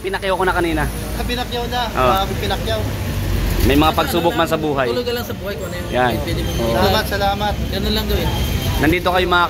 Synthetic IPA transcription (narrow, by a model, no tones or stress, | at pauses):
pɪnɐkjawkonɐkɐniːna | kɐbɪnɐkjawnaʔobɪpɪnɐkjaw | mɐjmɐŋapɐɡsuːbʊk̚mansɐbuːɦajʊloɡɐlɐŋsɐbuːhɐjkonɐjanjanpɛd̪ɪmosɐlamɐt̪̚sɐlaːmɐt̪̚ɡɐnonlɐŋɡ̪ɐwɪnnɐnd̪iːt̪okɐjomɐa